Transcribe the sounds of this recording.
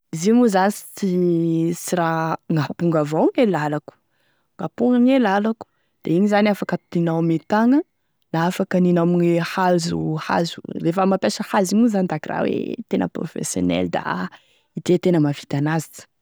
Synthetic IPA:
iziŋuzasi̥t͡sisiraŋapuŋɡavawŋelalaku̥ | ŋapuŋɡaŋelalaku̥ | d̪̥eiɲizaniafakət̪t̪inawmet̪aŋə | laafakəninamiɲehazuha̰zurefəmapesəhaziɲuzand̪akirʔa̰wḛt̪enə̰pro̰fḛsjo̰nɛ̰ld̪a̰ | id̪et̪enəmafi̥t̪anazit͡sə̥

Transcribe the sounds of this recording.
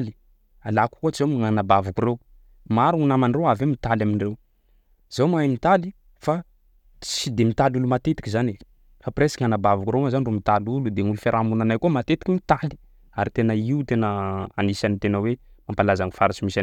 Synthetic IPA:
li̥ | alaku̥kot͡ʃizomiŋanabavukurew | maɾuunamanrewavemit̪alaminrew | z̥awmamit̪ali | fa | t͡sid̪emit̪alulumat̪et̪i̥kizane | fapresḁkʲianabavukuɾewazanirumit̪alulud̪eŋulufeɾʔamunanajkumat̪et̪ikʲiŋit̪ali̥ | aɾit̪enəiut̪enəa̰nisanit̪enəwe | mampalazaŋifaɾat͡ʃimisa

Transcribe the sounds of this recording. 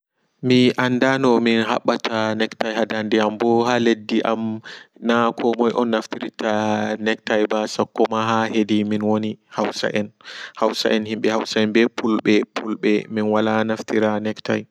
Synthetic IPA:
miʔanːdanɔminɦa̰ɓːatʰanɛktajhadandɛambɔhaledːiʔamnakʰɔmɔjʔɔ̰nːaftiɾitanɛktajbasakːɔmaɦahediminwonihawsa̰ʔɛnhawsa̰ʔɛnhimɓɛhawsaɛnbɛpʰulɓɛpʰulɓɛminwalanaftiɾanɛktaj

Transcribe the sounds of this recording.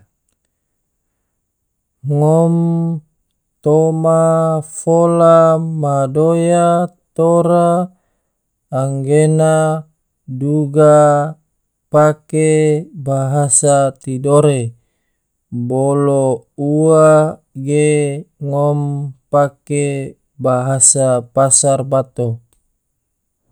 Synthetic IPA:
ŋɔm | t̪omafolamadojat̪oɾa | ŋɡena | duɡa | pakebaɦasat̪idoɾe | boloua | ɡeŋɔmpake | baɦasapasarbat̪o

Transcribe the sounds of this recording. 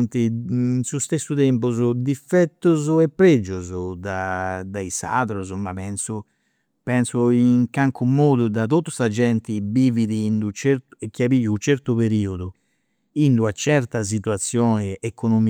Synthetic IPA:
nt̪insust̪esːut̪ɛmpuzud̪ifːɛt̪ːuzɛpːɾed͡ʒːuzud̪ad̪aisa̰ðɾuzumapɛnsu | pɛnsuiŋkaŋkumoːd̪ud̪at̪ot̪ːu̥sad͡ʒɛnt̪ibiːviðiind̪ut͡ʃɛɾt̪ekːjapiːjut͡ʃɛɾt̪upeɾiːod̪u | ind̪uat͡ʃɛɾt̪as̬it̪uat̪sːjɔːnɛːkonom

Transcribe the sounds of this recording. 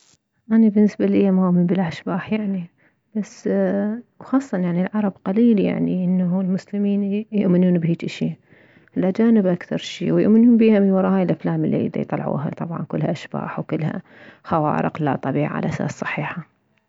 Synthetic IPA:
ʔanabɪnːɪsbalʔɪjːamaʔʔminbilʔaʃbaːħjaʕni | b̥asː | wxɑːsˤːɑnjaʕnilʕɑɾˤɑbqaliːlja̰ʕniʔɪnːalmʊslɪmiːnjʊʔmɪnuːnbhiːtʔɪʃi | ʔɪlad͡ʒaːnɪbʔakθɑɾˤʃḭːwjʊ̰ʔmɪnuːnbiːhamiwɑɾˤɑːhaːjɪlʔaflaːmɪlːḭʔd̪a̰jt̪ˤɑlʕṵːɦa̰t̪ˤɑ̰bʕɑ̰nkʊlːhaʔaʃb̥a̰ːħwkʊlːha̰ | xawa̰ːɾɪ̰qla̰t̪ˤɑbiːʕa̰lʔasa̰ːssˤɑ̥ħiːħa

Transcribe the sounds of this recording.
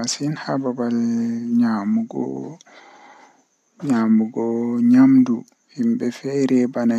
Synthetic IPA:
asinhababalɲamuɡɔ̰ | ɲamuɡɔɲamdu | himbɛfɛɾɛbana

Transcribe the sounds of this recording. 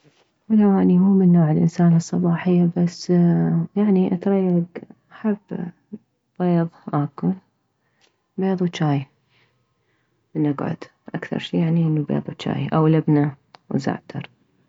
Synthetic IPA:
wɪlawaːnihuːmɪnːoːʕɪlʔɪ̰nsaːnɨsˤːɑbɑːħɪjːabasːjaʕniʔat̪ɾˤɑjːaɡʔaħabː | b̥eːðˤʔaːkʊl | beːðˤwt͡ʃːaːj | mɪnʔaɡʕʊ̰d̪̥ | ʔakθɑ̰ɾˤʃiːjaʕniʔənːubḛːðˤwt͡ʃa̰ːjʔawlabna | wza̰ʕt̪ʰɑ̰ɾˤ

